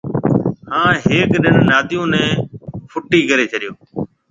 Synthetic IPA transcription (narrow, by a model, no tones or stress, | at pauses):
hãːɦeːkɗɪnːaːt̪ɪjõːnɛ̃ːpʰʊʈːiːkəɾeːt͡ʃʰəɗɪjoː